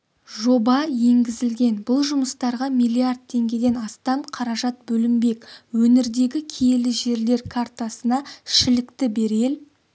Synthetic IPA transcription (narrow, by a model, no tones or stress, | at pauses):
ʒo̞bɑje̞ŋɡʲɪzɪlɡʲe̞nbʊlˠʒʊməst̪ɑɾʁɑmijlʲˠiard̪̚t̪ʰːe̞ŋɡʲe̞d̪e̞nɑst̪ɑmqʰɑɾɑʒɑt̪̚bɵlɪmbe̞kʲwɵnɪɾd̪e̞ɡʲɪkʲʰejelɪʒe̞ɾle̞ɾkʰart̪asənɑɪʃɪlɪkt̪ɪbe̞ɾel